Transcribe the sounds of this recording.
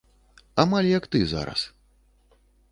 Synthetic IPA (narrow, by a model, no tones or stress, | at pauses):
amalʲjɐkt̪ɨza̰ɾɐ̰s